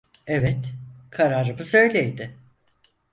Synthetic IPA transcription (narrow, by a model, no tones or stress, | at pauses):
ɛvɛt̪kʰaɾaɾɯbɯsø̞jlʲejd̪ɪ